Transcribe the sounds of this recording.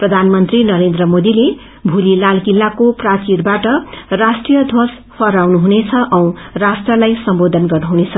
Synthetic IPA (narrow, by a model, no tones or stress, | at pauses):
prʌd̪ʱanmʌnt̪rinʌɾend̪rʌmod̪ile | bʱulilalkilːakoprat͡ʃiɾbaʈʌrasʈrijʌd̪ʱos | pʰʌɾawnuɦunet͡sʰʌʔʌw̃rasʈrʌlajsʌmbod̪ʱʌnɡʌrnuɦunet͡sʰʌ